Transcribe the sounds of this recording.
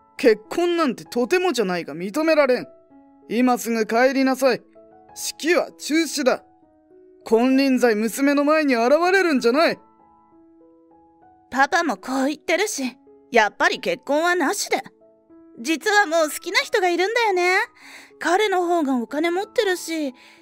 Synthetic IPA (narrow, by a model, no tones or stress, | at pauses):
ke̞kʰːõ̞nːãnt̪e̞̥t̪o̞t̪e̞mo̞d͡ʑanaiɡamʲit̪o̞me̞ɾaɾẽ̞ŋ | imasɨŋɯ̟kae̞ɾʲinasai | ɕi̥kʲiβa̰t͡ɕɨːɕid̪a̰ | kʰõ̞nɾʲĩnzaimɯ̟sɨme̞no̞maeɲ̟iaɾaβaɾe̞ɾɯ̟̃ɲ̟d͡ʑanai | papamo̞kʰo̞ːit̪ːe̞ɾɯ̟ɕi | japːaɾʲike̞kːõ̞ɰ̃βanaɕid̪e | d͡ʑit͡sɨβamo̞ːsɨ̥kʲinaçʲi̥t̪o̞ɡaiɾɯ̟̃nd̪ajo̞ne̞kaɾe̞no̞ɦo̞ːɡao̞kane̞mo̞t̪ːe̞ɾɯ̟ɕi